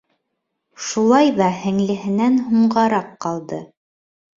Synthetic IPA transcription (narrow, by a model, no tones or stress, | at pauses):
ʃulˠɑjðɑhɘ̆ŋlɘ̆ɦɘ̆nænɦuɴɢɑɾɑqːɑlˠd̪ɤ